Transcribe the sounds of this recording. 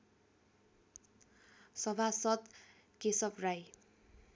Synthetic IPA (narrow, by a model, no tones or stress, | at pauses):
sʌbʱasʌt̪ | kesʌpraj